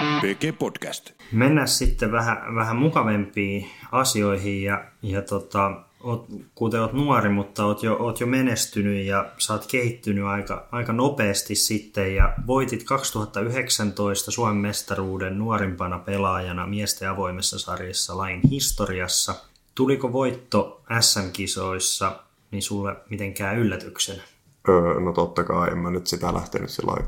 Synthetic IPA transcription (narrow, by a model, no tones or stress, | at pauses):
peːkeːpod̥kæst̪menːæssit̪ːeʋʋæhæ̰ʋæhæmukɑʋempiːɑsioiɦijjɑjɑt̪ot̪ɑ | oːt̪kut̪eoːt̪nuɑrimut̪ːɑoːt̪joʔoːt̪jomenest̪ynyjjɑsɑːt̪kehit̪ːynyɑikɑ̰ɑikɑnopeːst̪issit̪ːejjɑʋoit̪it̪kɑkst̪uhɑt̪ːɑyɦeksɑnt̪oist̪ɑsuɑmemːest̪ɑruːdennuoɾimpɑnɑpelɑːjɑnɑmiest̪eɑʋo̞imesːɑsɑrjesːɑlɑjinhist̪oriɑsːɑ | t̪ulikoʋoit̪ːoæsːæmkisoisːɑ | ninsulːemit̪eŋkæːylːæt̪yksenæ | øːnot̪ot̪ːɑkɑːiḛmːænyt̪sit̪ælʔæ̰ht̪ḛny̰tsḭlːɑ̰i